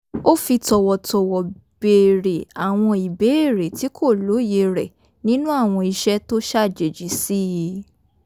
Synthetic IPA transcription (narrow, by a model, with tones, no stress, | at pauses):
o˦fi˧tɔ˧wɔ˨tɔ˨wɔ˨b̥e˨ɾe˨a˨w̃ɔ̃˧i˨be˨˦e˦˨ɾe˨ti˨˦kʰo˦˨lo˨˦je˧ɾɛ˨ | nĩ˦nũ˦a˦˨w̃ɔ̃˧i˧ʃɛ˦to˦ʃa˦˨d͡ʒe˨d͡ʒi˨˦si˦ji˧